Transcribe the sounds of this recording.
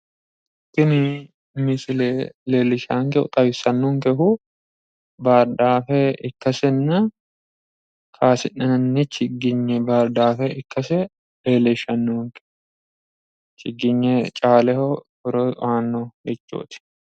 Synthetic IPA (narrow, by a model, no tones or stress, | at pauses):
t̪ːɪnɪ | mɪsɪleleːlːɪʃaːŋkɛʊ̰t̪ʼɐbɪsɐnːɔŋkɛɦʊ | baːɾd̪aːfɛɪkːɐsɛnːɐ | kʰaːsɪnːɐnɐnːɛt͡ʃːɪɡːɪɲːɛbaːɾd̪aːfɛɪkːɐsɛ | leːlɛʃɐnːoːŋkɛ̥ | t͡ʃɪɡːɪɲːɛt͡ʃʼaːlɛhɔbɔɾɔaːnːɔjɛt͡ʃʼːo̰ːt̪ɪ̥